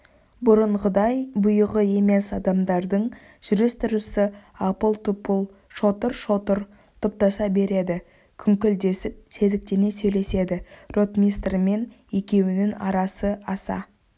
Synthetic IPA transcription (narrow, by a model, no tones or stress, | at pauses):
bʊɾəɴʁəd̪ɑjbʊjəʁəje̞me̞sɑd̪ɑmd̪ɑɾd̪əɴ | ʒ̥ʏɾɪst̪ɪɾəsəɑpəlˠt̪ʊp | ʃo̞t̪əɾʃoɾ | t̪ʰʊp̚t̪ɑsɑbe̞ɾe̞d̪ɪ | kʲʰʏŋkʲɪld̪e̞sɪp̚se̞zɪk̚t̪ene̞sɵjle̞se̞d̪ɪro̞t̪mʲijst̪rme̞n | e̞kʲe̞wɪnɪnɑ̰ɾɑsəɑsɑ̰